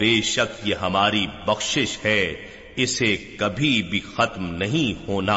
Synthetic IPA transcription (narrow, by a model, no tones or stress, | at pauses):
ʋeːʃəkjeɦɐmaːɾibɐxʃɪʃhɛ | ɪsekɐbʱibʱixɐt̪mnɐɦĩhoːnaː